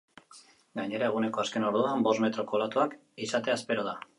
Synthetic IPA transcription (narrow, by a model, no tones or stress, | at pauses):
ɡaɲe̞ɾae̞ɣ̞une̞ko̞aske̞no̞ɾðuambo̞zme̞t̪ɾo̞ko̞lat̪uak | isat̪e̞aspe̞ɾoð̞a